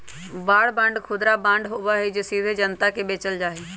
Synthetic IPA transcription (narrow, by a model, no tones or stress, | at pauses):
ʋaːɽbə̃ɳɖkʰʊd̪ɾabãɳɖɦoːʋaɦed͡ʒesiːɾʱed͡ʒənt̪akebeːt͡ʃəld͡ʒaːɦeː